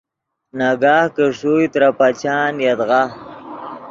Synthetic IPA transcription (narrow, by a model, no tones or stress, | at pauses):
naɡaːhkəʂujt̪ɾapat͡ʃaːnjad̪ɣa